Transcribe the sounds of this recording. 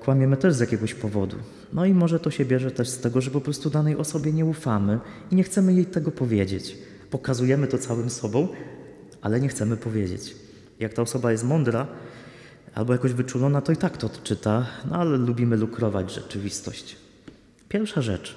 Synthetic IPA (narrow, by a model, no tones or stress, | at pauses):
kwamʲjɛmɘt̪ɛʐzjakʲɛɡɔɕpɔvɔd̪ṵ | nɔimɔʐɛt̪ɔɕɛbʲjɛʐɛt̪ɛʂst̪ɛɡɔʐɛpɔpɾɔst̪ud̪anɛjʔɔsɔbʲjɛɲɛufamɘiɲɛxt̪sɛmɘjejt̪ɛɡɔpɔvʲjeɛd͡ʑet͡ɕ | pɔkazujɛmɘt̪ɔt̪sawɘmsɔbɔ̃w̃ | ʔa̰lɛɲɛxt̪sɛmɘpɔvʲjed͡ʑḛt͡ɕ | jak̚t̪aɔsɔbajɛs̬t̪mɔnd̪ɾa | ʔa̰lbɔjakɔʑvɘt͡ʂulɔnat̪ɔit̪akt̪ɔːt̪t͡ʂɘt̪anɔ̰alɛlubʲimɘlukɾɔva̰d͡ʑʐɛt͡ʂɘvʲist̪ɔɕt͡ɕ | pʲjɛɾfʂaʐɛ̰t͡ʂ